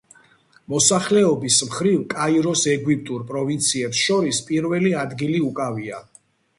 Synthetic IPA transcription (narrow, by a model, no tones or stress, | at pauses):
mɔsaχlɛɔbismχɾivkʼaiɾɔsɛɡwip̚ʼt̪ʼuɾpʼɾɔvint̪sʰiɛpsʃɔɾispʼiɾvɛliad̪ɡiliukʼavia